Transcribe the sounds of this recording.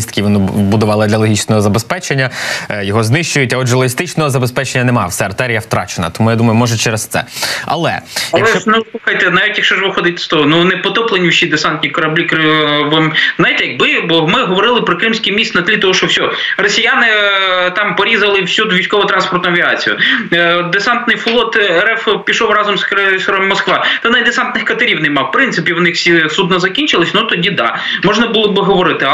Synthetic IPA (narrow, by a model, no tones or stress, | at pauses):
ist̪kʲiʋɔnʊbʊd̪ʊʋɑlˠɪd̪lʲɐlˠɔɦʲit͡ʃnɔɦɔzɐbespɛt͡ʃenʲːɐjɔɦɔznɪʃt͡ʃʊjʊtʲɐɔʒɛlˠɔɦist̪ɪt͡ʃnɔɦɔzɐbespɛt͡ʃenʲːɐnɛmɑwsɛɐrt̪ɛɾʲijɐwt̪ɾɑ̰t͡ʃenɐ̰t̪ɔmujad̪umɐjʊmɔʒɛt͡ʃɛɾest̪sɛ̰ɐ̰lˠɛ̰ɐjɐlkˠt͡ʃɛt͡ʃɔnusˠuxɐjt̪ɛnɑʋʲitʲjɐkʃt͡ʃɔʒʋɪxɔd̪ɪt̪ʲɛ̥st̪ɔɦɔnunɛpɔt̪ɔplˠenʲiwʃʲid̪esant̪ʲnʲikɔɾɐblʲikʋɔmznajt̪ɛjɐɡ̚bɪbɔmɪɦɔʋɔɾɪlˠɪpɾɔkɾɪmsʲkijmʲist̪nɐd̪ʲlʲit̪ɔɦɔʃt͡ʃɔwsʲɔrɔsʲijanɪt̪ɑmpɔɾʲizɐlˠɪwsʲud̪ʋʲijsʲkɔʋɔt̪ɾɑnspɔrt̪ʊɐʋʲiɑt͡sʲijʊ̰ | d̪esɑnt̪nɪjflˠɔt̪ɛɾɛfpʲiʃɔwrɑzɔmskɾɛsɔɾɔmmːɔskʋɑt̪ɛnɐjd̪esɑnt̪nɪxkɐt̪ɐɾʲiwnɛmɑwpɾɪnsɪpʲiwnɪxsʲisud̪nɐzɐkʲinʲt͡ʃɪlˠɪsʲnut̪ɔdʲid̪ɑ̰ | mɔʒnɐbulˠɔbɪɦɔʋɔɾɪt̪ɪ